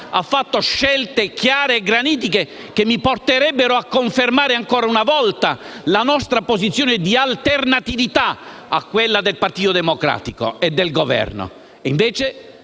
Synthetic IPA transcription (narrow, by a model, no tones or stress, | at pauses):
afːat̪ːoʃːɛlt̪ekjaːɾeːɡɾaniːt̪̬ike | kemːiport̪eɾɛbːeɾoakːoɱfermaːɾeaŋkoːɾaunavɔlt̪alanɔst̪ɾapozit̪sːjoːned̪ialt̪ernat̪ivit̪a | akːwelːad̪elpart̪iːt̪od̪emokɾa̰ːt̪iko̰ed̪ːelɡovɛ̰rno̰ | iɱveːt͡ʃe